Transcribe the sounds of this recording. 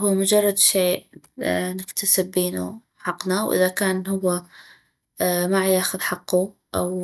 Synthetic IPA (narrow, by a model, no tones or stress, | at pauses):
huːmʊd͡ʒɑrˤːɑd̪ʃeːʔ | nɪkt̪asɪbːeːnṵ | ħɑqnawʔɪ̰ðakaːnɦʊwːa | maʕjaːxʊðħɑqːu | ʔa̰w